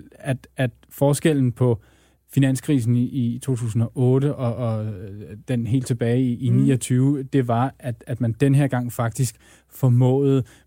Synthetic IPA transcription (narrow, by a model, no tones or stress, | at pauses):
æd̥æd̥ | fɒːsɡ̥el̰n̩pʰɒ̽ | finæn̰skʰʁiːs̬n̩it͡sʰo̝̰ːt͡sʰṵːsn̩ɒ̽ʔɔ̽ːɾəʔɒ̽ɒ̽d̥enɦe̝̰ːld̥t͡sʰe̝b̥ɛːɪiːnḭːɒ̽t͡sʰyːʊd̥e̝ʋɑ̈æd̥æd̥mænd̥enɦeɐ̰ɡ̥ɑ̈ŋ̰fɑ̈ɡ̥̚d̥isɡ̥ | fɒmɔ̰̽ːð̩ˠ